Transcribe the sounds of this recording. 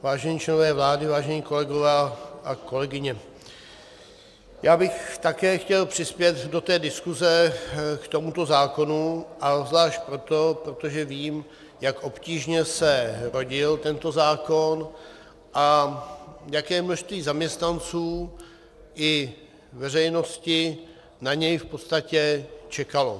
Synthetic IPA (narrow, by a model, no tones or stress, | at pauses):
vaːʒɛɲiːt͡ʃlɛnovɛːvlaːdɪvaːʒɛɲiːko̞lɛɡo̞vɛːʔako̞lɛɡɪɲɛ | jaːbɪxt̪akɛːxcɛlpr̝̥ɪspjɛt̪do̞t̪ɛːdɪskuzɛkt̪o̞mut̪o̞zaːko̞nuʔazlaːʃt̪̚pɾo̞t̪o̞pɾo̞t̪oʒɛviːm | jakʔo̞pciːʒɲɛsɛɾo̞ɟɪlt̪ɛnt̪o̞zaːko̞n | ʔa | jakɛːmnoʃst̪viːzamɲɛst̪nant͡suː | ʔɪ | vɛrɛjno̞scɪ | naɲɛjfpo̞t̪st̪acɛt͡ʃɛkalo̰